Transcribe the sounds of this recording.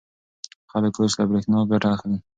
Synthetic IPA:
xaləkoʃlabɾexnɑɡaʈaːxli

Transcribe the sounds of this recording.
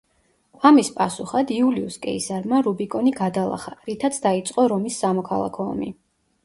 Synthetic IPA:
amispʼasuχad̪iuliuskʼɛisaɾmaɾubikʼɔniɡad̪alˠa̰χaɾit̪ʰat̪sʰd̪ait̪sʼqʼɔɾɔmisːamɔkʰalˠa̰kʰɔɔ̰mḭ

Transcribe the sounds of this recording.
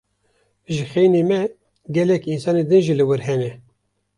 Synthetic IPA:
ʒɨxejnemɛ | ɡɛlɛkinsɑːned̪ɨnʒilɨwɨɾɦɛnɛ

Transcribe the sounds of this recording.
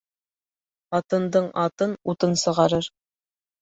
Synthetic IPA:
ɑt̪ɤ̆nd̪ɤɴɑt̪ɤnut̪ɤnsɤ̆ʁɑɾɤɾ

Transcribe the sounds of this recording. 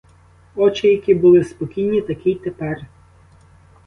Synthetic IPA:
ɔt͡ʃɪjɐkʲibʊlˠɪspɔkʲijnʲit̪ɐkʲijt̪epɛr

